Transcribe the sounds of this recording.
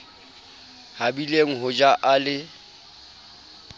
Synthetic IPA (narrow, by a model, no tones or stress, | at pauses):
habileŋ̩ɦʊd͡ʒaʔalɪ